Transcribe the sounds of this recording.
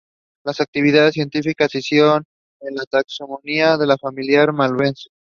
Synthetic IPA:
lasak̚t̪iβ̞iðaðes̬jent̪ifikasisjeɾon | enlat̪akso̞moniaðe̞lafamiljaɾmalβense̥

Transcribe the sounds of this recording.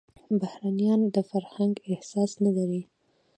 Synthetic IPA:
bahɾanijɑnd̪əfaɾhaŋɡɪhsɑsnalaɾi

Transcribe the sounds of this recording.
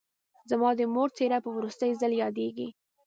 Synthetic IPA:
zamɑd̪əmoɾt͡seɾapəwɾust̪əjzaljɑd̪eɡḭ

